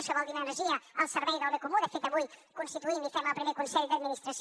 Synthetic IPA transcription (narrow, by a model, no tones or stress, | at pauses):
səβɔld̪inanəɾʒiɐalˠsəɾβɛjðalˠβekumunɛfet̪ɐβujkunst̪it̪uind̪ifɛmalpɾimekunsɛʎd̪ɐd̪minist̪ɾɐs